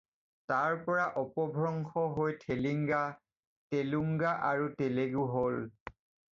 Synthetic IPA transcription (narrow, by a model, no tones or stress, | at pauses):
taɹpɔɹaʔɔpɔbʱɹɔŋxɔɦojtʰeliŋɡa | teluŋɡaʔaɹuteleɡuɦol